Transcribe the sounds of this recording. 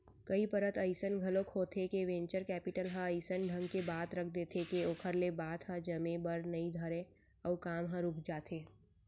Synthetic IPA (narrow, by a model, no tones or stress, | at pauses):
kɐipəɾət̪əɪsənɡʱɐlõkʰɦoːt̪ʰekeʋẽːɲt͡ʃəɾkɛːpɪʈəlɦə̃ɐɪsənɖʱə̃ŋɡkebaːt̪ɾɐk̚ʰd̪eːt̪ʰekeoːkʰəɾlebaːt̪ɦə̃d͡ʒɐmẽbəɾnɐĩd̪ʱəɾẽ | ɔːkaːmɦə̃ɾʊkʰd͡ʒaːt̪ʰeː